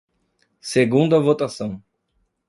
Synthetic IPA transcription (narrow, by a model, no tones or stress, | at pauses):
seɡũnd̪ɐvot̪asɐ̃w̃